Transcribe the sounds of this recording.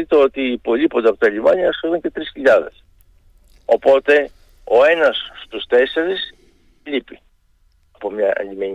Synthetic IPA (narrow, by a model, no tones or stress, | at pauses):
it̪eo̞t̪iːpo̞lipo̞nd̪eɐpo̞t̪ɐʎimɐɲɐːsfoluɲce̞t̪ɾisçiʎɐðe̞̰s | o̞po̞t̪e̞ | o̞e̞nɐsːt̪ust̪e̞se̞ɾis | ʎipi | ɐpo̞mɲɐɐ̰ʎimeɲ